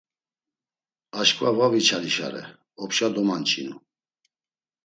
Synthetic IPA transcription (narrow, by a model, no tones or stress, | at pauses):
aʃkʼvavavit͡ʃʰaɾiʃa̰ɾɛ̰ | ɔpʃad̪ɔmant͡ʃʰʼinu